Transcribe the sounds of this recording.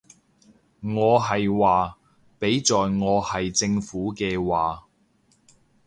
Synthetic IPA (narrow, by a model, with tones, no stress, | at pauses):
ŋɔː˨˧ɦɐ˨jwaː˨ | pe˨˥jt͡sɔː˨jŋɔː˨˧hɐ˨jt͡sɪ˧ŋfuː˨˥kɛː˧waː˨